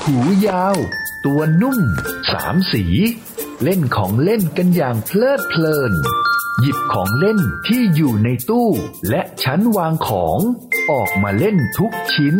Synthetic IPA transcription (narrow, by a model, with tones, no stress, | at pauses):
hʰuː˩˦jaː˧wt̪u˧ɐnu˥˩msa̰ː˩˦msiː˩˦ | le˥˩nkʰɔː˩˦ŋle˥˩nka˧njaː˨˩ŋpʰlɤː˥˩t̪̚pʰlɤː˧˩nji˨˩p̚kʰɔː˩˦ŋle˥˩nt̪ʰiː˥˩juː˨˩na˧jt̪uː˥˩lɛ˦˥ʔt͡ɕʰa˦˥nwaː˧ŋkʰɔː˩˦ŋʔɔː˨˩k̚maː˧le˥˩nt̪ʰu˦˥k̚t͡ɕʰi˦˥n